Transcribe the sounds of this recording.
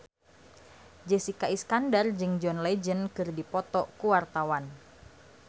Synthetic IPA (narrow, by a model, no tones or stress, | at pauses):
d͡ʒesikaiskandard͡ʒɨŋd͡ʒɔnled͡ʒənkɨrdipɔt̪ɔkuwart̪awan